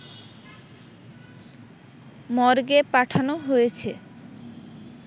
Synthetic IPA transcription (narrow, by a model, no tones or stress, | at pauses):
mɔɾɡepaʈʰanoɦojet͡ɕʰe